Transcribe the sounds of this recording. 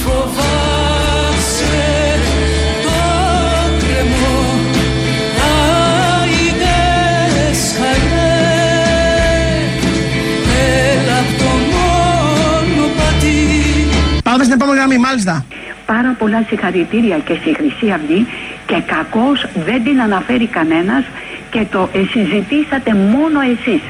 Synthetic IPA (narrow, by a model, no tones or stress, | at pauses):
fovɐ | s | e | t̪o | kɾem | o | t̪ɐ | iðe | s | ɐn | e | e | ɾɐt̪omo | nopɐt̪i | pɐðmest̪inepomeniɣɾɐmimalis̬t̪ɐ | pɐɾɐpo̞lɐsixɐɾit̪iɾiɐce̞sixɾisiɐft̪ice̞kɐko̞sðe̞nd̪inɐnɐfe̞ɾikɐne̞nɐs | ce̞t̪o̞ʔesizit̪isɐt̪e̞mo̞no̞e̞sis